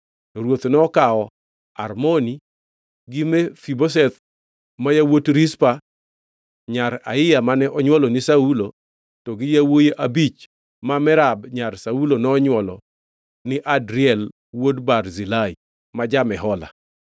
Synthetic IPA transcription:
nɔɾwot̪nɔɔkaɔ | a̰rmoni | ɡɪmɛfibos̬ɛt̪ | majawotɾispa | ɲaɾa̰ɪjamanɛʔɔɲwɔlɔnɪsaulo | tɔɡɪjawojeʔabit͡ʃ | mamɛɾabɲarsaulonɔːɲwɔlɔ | nɪʔadɾɪɛl | wodbarzilai | mad͡ʒamɛɦɔla̰

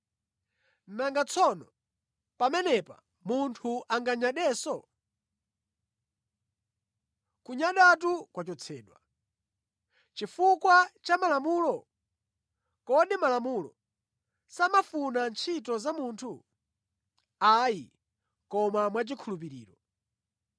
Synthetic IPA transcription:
naŋɡat͡sʰɔnɔ | pamɛnɛpa | muntʰuʔaŋɡaɲaɗɛːsɔ | kuɲaɗatukwat͡ʃɔt͡sʰɛːɗwa | t͡ʃifukwat͡ʃamalamuːlɔ | kɔɗimalamulɔ̰ | samafunant͡ʃʰit̬ɔzamuːntʰu | ajḭ | kɔmamwat͡ʃikʰulup̬iɾḭːɾɔ

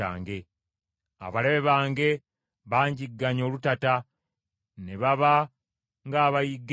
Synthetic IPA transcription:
a̰ːŋɡe̞ | a̰βale̞βeβaːŋɡe̞ | βaːɲɟiɡːaɲo̞ːlutata | neβaβa | ŋɡaːβajiɡː

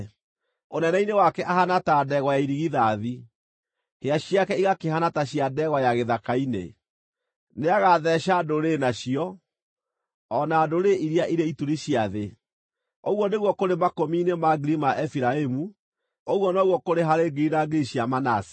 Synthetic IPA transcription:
onɛnɛinewakɛʔahanatadɛɣɔjaiɾiɣiðaði | heaɕiakɛiɣakeɦanataɕiadɛɣɔjaɣeðakainḛ | neaɣaðɛɕadoɾenaɕiɔ | ɔnaːdoɾeiɾiaʔiɾeituɾiɕiaðe | oɣwɔneɣwɔkoɾemakominemaɡiɾimaʔɛfiɾaemu | oɣwɔnɔɣwɔkoɾeɦaɾeɡiɾinaɡiɾiɕiamanasi̥

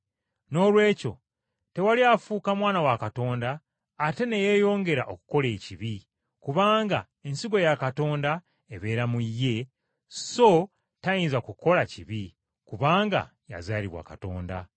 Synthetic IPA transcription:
no̞lwe̞ːco̞̰ | te̞waliafuːkamwaːnawakato̞ːndaː | te̞ne̞jejo̞ːŋɡe̞ɾaʔo̞ku̥ko̞le̞ːciβi | kuβaːŋɡa | e̞nsiɡo̞jakato̞ːnda | eβe̞ːɾamuijːe̞ | so̞ | tajinzakuko̞laciβi | kuβaːŋɡa̰ | ja̰zaːliβwa̰kato̞̰ːnda̰

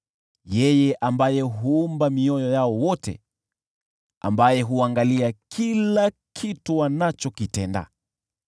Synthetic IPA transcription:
jɛjɛʔambajɛɦuumbamiɔjɔjaɔwɔtɛ̰ | a̰mbajɛɦuaŋɡaliakʰilakʰituwanat͡ʃɔkitɛnda̰

